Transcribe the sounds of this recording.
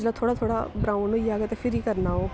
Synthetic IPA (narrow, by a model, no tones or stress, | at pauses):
d͡ʒlat̪ʰoːɽat̪ʰoːɽabɾãːʋnojiaːɡet̪efɪɾikɐɾnaɦoː